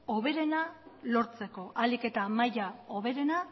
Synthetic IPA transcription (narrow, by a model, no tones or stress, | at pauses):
o̞βe̞ɾe̞nalo̞ɾt͡se̞ko̞ʔalike̞t̪amajao̞β̞e̞ɾe̞na